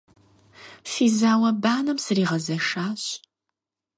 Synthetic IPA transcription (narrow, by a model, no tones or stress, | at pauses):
fiːzaːwɐbaːnɐmsɨriːʁɐzɐʂaːɕ